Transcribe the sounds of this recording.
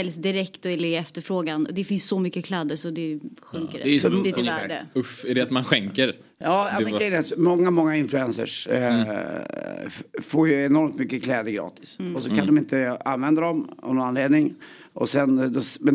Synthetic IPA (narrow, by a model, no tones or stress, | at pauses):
ɛlsd̪ɪɾɛkt̪ɔɛlɪɛft̪əɾfɾoːɡanɔ̰d̪ɛfɪnsːɔmʏkːəkʰlɛd̪əsɔd̪ɛɧɵŋkəɾɪt̪æːɖə̰ɵfɛɖɛat̪manɧɛŋkəɾ | jɑːaɛɛd̪ɛsɔmɔŋːamɔŋːaɪnflɵɛnsə̰ʂ | foːɾjɵɛnɔɾmt̪mʏkːəkʰlɛːd̪əɾɡɾɑ̰ːt̪ɪ̥sɔsɔkʰand̪ɔmɪnt̪əa̰nvɛnd̪ad̪ɔm̰vnɔnanleːd̪nɪŋ | ʔɔ̰sɛnd̪ɔmɛn